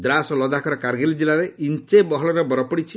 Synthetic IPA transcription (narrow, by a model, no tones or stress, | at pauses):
d̪ɾasɔlɔd̪akɔɾɔkaɾɡelid͡ʒilaɾeʔint͡ʃebɔɦɔlɔɾɔbɔɾɔpɔɽit͡ʃʰi